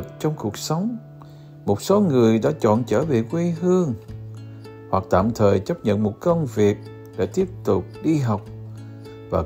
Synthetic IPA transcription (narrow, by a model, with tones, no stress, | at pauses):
k̚t͡ɕɔ˧wŋ͡mku˨˩ək̚sə˨˦wŋ͡m | mo˨˩t̚so˨˦ŋɨ˨˩əjɗa̰ː˧˥t͡ɕɔ̰˧˨nt͡ɕəː˧˩ɓḭ˧˨kwi˧ɦɨ˧əŋ | hwa˨˩k̚t̪a̰ː˧˨mt̪ʰəː˨˩jt͡ɕə˦˥p̚ɲə̰˧˨nmo˨˩t̚kə˧wŋ͡mvi˨˩ək̚ | ɗe˧˩t̪i˦˥əp̚t̪ʊ˨˩k͡p̚ɗi˧ɦa˨˩wk͡p̚ | vaː˨˩